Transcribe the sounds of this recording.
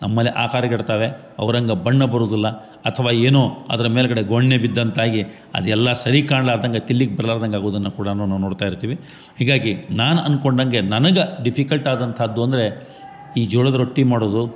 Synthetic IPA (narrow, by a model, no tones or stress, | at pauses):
nɐmːɐlːiʔa̰ːkaːɾɐɡɐɽt̪aːʋe̞ | ɐ̰ʋɐɾɐŋɡɐbɐɳːɐbɐɾoːd̪ilːɐ | ɐt̪ʰɐʋaːeːnoːɐ̰d̪ɐɾɐmeːlɐɡɐɽe̞ɡoɳːebid̪ːɐnt̪ʰaːɡi | ɐ̰d̪ɛlːɐsɐɾikaːɳɖlaːd̪ɐŋɡɐt̪ilːiɡebɐɾɐlaːɾd̪ɐŋɡaːɡoːd̪ɐnːɐkuːɽɐɐnːunːaːnoːɽt̪aːjiɾt̪iːʋi | ɦiːɡaːɡinaːnuʔɐ̰nkoɳɖɐŋɡenɐnɐɡɐɖipʰikɐlʈaːd̪ɐnt̪ʰɐd̪ːuɐnd̪ɐɾe̞ | iːd͡ʒuːɭɐd̪ɐɾoʈːimaːɽoːd̪u